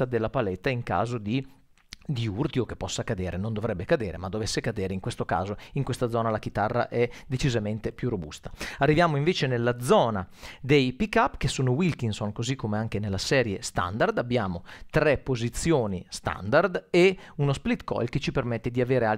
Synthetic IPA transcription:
ad̪elːapalɛt̪ːaiŋka̰ːzod̪i | d̪iurt̪jokepːɔsːakad̪eːɾʔenond̪ovɾɛbːekad̪eːɾemad̪ːovesːekad̪eːɾeiŋkwest̪oka̰ːzoiŋkwest̪ad̪zɔːnalak̟it̪arːa̰ʔɛd̪et͡ʃizament̪epjurːobṵst̪ḁarːivjaːmoiɱveːt͡ʃenelːad̪zɔːnad̪ejpikːapːkesːoːnowilkinsonkozikːomeaŋkenelːasɛːɾjest̪a̰nd̪ard̪abːjaːmot̪ɾɛpːozit̪sːjoːnist̪a̰nd̪ard̪eunosplit̪kɔ̰jlket͡ʃːipermɛt̪ːed̪iaveːɾea

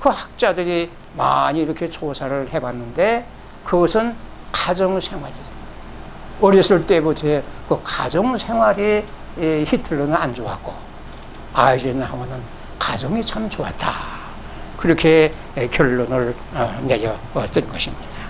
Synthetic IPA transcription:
kɯhak̚t͡ɕ͈adɯɾi | ma̰ɲiːɾʌkʰe̞t͡ɕosʰaɾɯɭhe̞banːɯnde̞ | kɯɡʌsʰɯnkad͡ʑʌŋsʰe̞ŋɦwaɾi | ʌɾisʰɯɭt͈e̞butʰkɯkad͡ʑʌŋsʰe̞ŋɦwaɾi | hitʰɯɭːonɯɾand͡ʑowa̰k͈o | aid͡ʑenɯnhawʌnɯn | kad͡ʑʌŋit͡ɕʰamt͡ɕowat̚t͈a | kɯɾʌkʰe̞ | kjʌɭːonɯɭ | ne̞ɾjʌ | t͈ɯnɡʌɕʰimɲid̥a

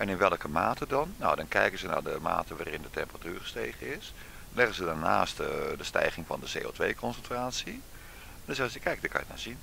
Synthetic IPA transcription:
ʔɛnɪnʋɛlˠəkəmaːtʰədɔnːa̰wdɔnkɛjkənzəna̰dəma̰ːtəʋaːrɪndətɛmpəratyːrχə̥steːɣəɪs | lɛɣəzədanaːstdəstɛ̰jɣɪŋfɔ̰ndəsḛːo̰ːtʋejkʰɔnsɛntraːsi | dɔsɛsəkʰɛjk̚dəkʰa̰jəta̰sin

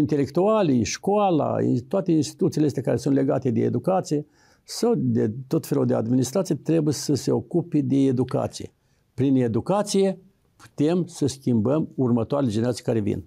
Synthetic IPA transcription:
int̪e̞le̞kt̪ualijʃkoala̰ḭt̪oat̪e̞inst̪i̥t̪ut̪sileest̪ʲakaɾesunt̪le̞ɡa̰t̪e̞d̪e̞ed̪ukat̪sije̞ | sawd̪et̪o̞t̪fe̞lud̪e̞a̰d̪minist̪ɾat̪sijet̪ɾe̞bujesəse̞o̞kuped̪e̞ːd̪uka̰t̪sijḛ | pɾine̞d̪ukat̪sije | pu̥t̪e̞msəskʲimbəmurmət̪oaɾeled͡ʒeneɾat̪sij̥kaɾevḭn

